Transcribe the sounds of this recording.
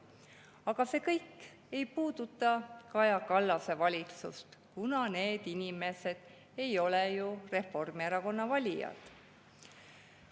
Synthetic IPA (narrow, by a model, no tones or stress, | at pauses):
ɑɡ̥ɑse̞ːkɤjkː | e̞jpuːd̪̥ut̪ːˑɑkɑjɑkɑlːɑse̞vɑlʲit̪sṵst̪kunɑne̞ːd̪̥inime̞se̞d̪̥ | e̞jo̞lejure̞fo̞rmieɾɑko̞nːɑvɑlʲijɑ̰t̪